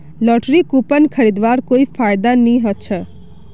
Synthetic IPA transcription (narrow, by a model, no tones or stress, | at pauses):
lɔʈɾikupənkʰəɾid̪ʋaɾkoifajd̪anĩɦət͡ʃʰe